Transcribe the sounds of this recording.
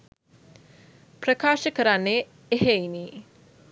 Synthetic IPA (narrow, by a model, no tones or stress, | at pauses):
pɾəkaːʃəkəɾanːe | eɦeini